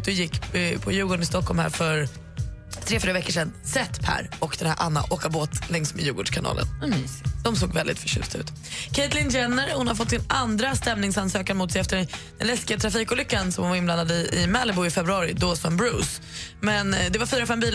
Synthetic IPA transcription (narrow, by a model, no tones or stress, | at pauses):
d̪̥ɵjɪkːpʰɔjʉ̟ːɡɔɳɪst̪ɔkːɔlmhæ̰ːɾfœɾ | t̪ʰɾeːfyːɾavɛkːəʂɛnsɛt̪ːpʰæ̰ːɾɔkd̪ɛnhæ̰ɾʔa̰nːa̰ʔoːkaboːt̪lɛŋsmḛd̪jʉ̟ːɡɔʂkʰanɑ̰ːlə̰ndɔmsoːɡvɛld̪ɪ̰t̪fœʂʉ̰st̪aʉ̟ːt̪ | kʰɛjt̪lɪnd͡ʒɛnːəɾhʊnhaɾfɔt̪ːsɪnand̪ɾast̪ɛmnɪŋsansøːkanmʊːt̪sɛjɛft̪əɛd̪̥ɛnlɛskɪat̪ʰɾafiːkʊlʏkːansɔmhʊnvaɾɪnblanːad̪əɪɪmɛləbʊɪfɛbɾɵɑːɾɪd̪ɔsɔmbɾuːs | mɛnd̪ɛvaɾfyːɾafɛmbiːla